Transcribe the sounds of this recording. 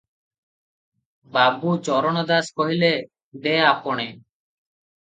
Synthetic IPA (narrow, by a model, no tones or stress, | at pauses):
babut͡ʃɔɾɔɽ̃ɔd̪askɔɦile | d̪eapoɽ̃e